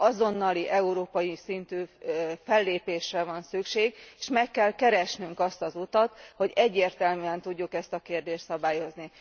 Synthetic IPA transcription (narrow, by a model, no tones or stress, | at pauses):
ɒzo̞nːɒliʔɛuɾoːpɒjisint̪yːfɛlːeːpeːʃrɛvɒnsykʃeːɡeːʃmɛkːɛlkɛɾɛʃnyŋkɒst̪ɒzut̪ɒt̪ho̞ɟɛɟːeːrt̪ɛlmyɛnt̪uɟːukɛst̪ɒkeːrd̪eːʃt̪sɒbaːjo̞zni